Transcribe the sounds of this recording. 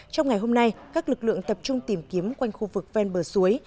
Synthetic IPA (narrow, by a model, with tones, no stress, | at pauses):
t͡ɕɔ˧wŋ͡mŋa˨˩jɦo˧mna˧jkaː˦˥k̚lɨ˨˩k̚lɨ̰˧˨əŋt̪ə˨˩p̚t͡ɕʊ˧ŋ͡mt̪i˨˩mki˨˦əmkwa˧jŋ̟xu˧vɨ˨˩k̚vɛ˧nɓəː˧˩su˨˦əj